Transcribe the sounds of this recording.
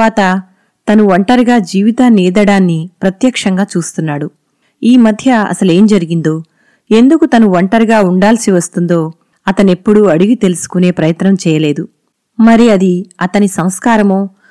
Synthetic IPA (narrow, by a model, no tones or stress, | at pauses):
aːt̪ɐ | t̪ɐnuʋɐɳʈɐɾɡaːd͡ʒiːʋit̪aːniːd̪ɐɽaːnːipɾɐt̪jɐkʂɐŋɡaːt͡ʃuːst̪unːaːɽu | iːmɐd̪ʱjɐɐ̰sɐleːmd͡ʒɐɾiɡind̪o̞ː | e̞nd̪ukut̪ɐnuʋɐɳʈɐɾɡaːuɳɖaːlsiʋɐst̪und̪o̞ː | ɐt̪ɐne̞pːuɽuɐɽuɡit̪e̞lusu̥kune̞ːpɾɐjɐt̪nɐmt͡ʃɛːjɐle̞ːd̪u | mɐɾiɐd̪iɐt̪ɐnisɐmskaːɾɐmoː